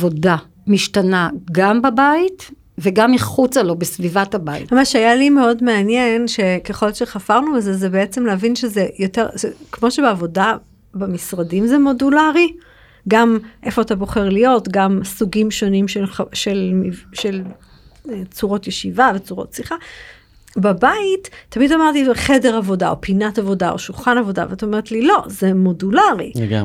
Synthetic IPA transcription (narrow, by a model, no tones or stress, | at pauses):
vo̞da | miʃtanaɡambabait | veɡamːiχut͡salo̞besvivathabajḭmamaʃajalime̞o̞dmeanjenʃe̞keχo̞lʃeχafaʁnubezezebeet͡se̞mleɦavinʃezejote̞ʁʃekmo̞ʃebeavo̞da | bemisʁadimzemo̞dulaʁi | ɡamʔe̞fo̞atabo̞χe̞ʁlijo̞tɡamsuɡimʃo̞nimʃelʃelmiʃel | et͡suʁo̞tjeʃivavet͡suʁotsliχa | bebaitːamidamaʁtiχe̞deʁavo̞da̰o̞̰pinatavo̞dao̞̰ʃulχanavo̞da̰veataomeʁet̪lilo̞zemo̞dulaʁḭɡa̰